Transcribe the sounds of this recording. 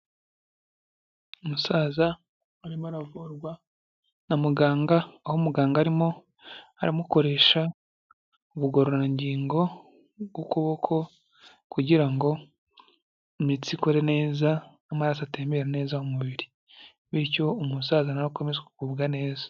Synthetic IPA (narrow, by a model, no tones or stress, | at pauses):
umusaːzaː | ɾimoaɾavuɾɡwa | namuɡaːŋɡaːhomuɡaːŋɡaːɾimo̞ | aɾamuko̞ɾeʃa | uβuɡoɾoɾaniɲɟiːŋɡo̞ | ɡokuβo̞kʰo̞ | kuɟiɾaŋɡo̞ | imit͡sikoɾe̞ne̞ːzaː | maɾasateːmbeɾene̞ːzahomuβiɾi | βiɾco̞ːmusaːzanaɾako̞me̞zeku̥kuːbɡane̞ːzḁ